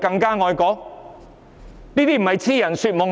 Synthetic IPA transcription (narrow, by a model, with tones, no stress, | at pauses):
kɐ˧ŋkaː˥ŋɔː˨˧jkɔː˨˥ŋ | niː˥t̪iː˥m̩˨˩ɦɐ˨jt͡sʰiː˥jɐ˨˩nsyː˧t̚mʊ˨ŋ